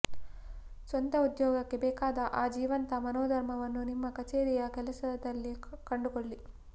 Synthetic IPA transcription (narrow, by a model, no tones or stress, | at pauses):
sʋɐnt̪ɐud̪jɔːɡɐkːe̞bɛːkaːd̪ɐʔaːd͡ʒiːʋɐnt̪ɐmɐnoːd̪ʱɐɾmɐʋɐnːunimːɐkɐt͡ʃeːɾijɐkɛlɐsɐd̪ɐlːikɐɳɖukoɭːi